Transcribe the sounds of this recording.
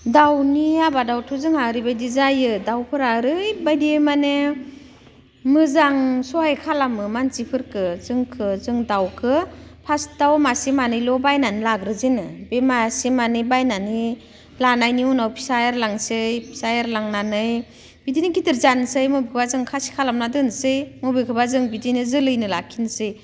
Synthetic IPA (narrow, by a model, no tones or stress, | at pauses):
dawniabadawtʰuzɯŋaɾibajdizajɯdawpʰɯɾaɾɯjbajdimane | mɯzaŋsɔajkʰalamɯmanzipʰɯɾkʰɯzɯŋkʰɯzɯŋdawkʰɯpʰasdawmasimanɯjlɔbajnanilaɡɾɯzinɯbemasimanɯjbajnani | lanajniunawpʰi̥sajɾlaŋsɯjpʰi̥sajaɾlaŋnanɯj | b̥idinikitiɾzansɯjmɔbikʰɯbazɯŋkʰasi̥kʰalamnadɯnsɯjmobikʰɯbazɯŋbidinɯzɯlɯjnɯlakʰinsɯj